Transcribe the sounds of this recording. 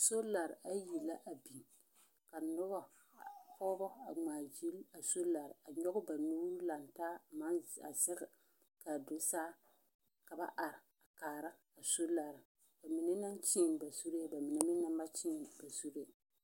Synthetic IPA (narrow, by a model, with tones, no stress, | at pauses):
so˦la˨ɾɪ˨a˦ji˨la˦ʔa˨bi˨ | ka˨nʊ˦bɔ˦˨ | kʰɔː˦bɔ˦a˨ŋ͡maː˨d͡ʒi˦la˨so˦la˨ɾɪ˨a˨ɲɔ˦ɣʊ˦ba˨nuː˦ɾu˦la˨ntaː˦a˨ma˦na̰˨sɛ˦ɣa˨ | ka˨do˦saː˦ | ka˨ba˦ʔa˨ɾɪ˨ | a˨kaː˨ɾa˦ | a˨so˦la˨ɾɪ˨ | b̥a˨mɪ˨nɛ˦na˦nt͡ʃi˦˨n˨ba˨su˦ɾe˦ba˨mɪ˨nɛ˦mɪ˦na˦mba˦t͡ʃi˦nba˨su˦ɾe˨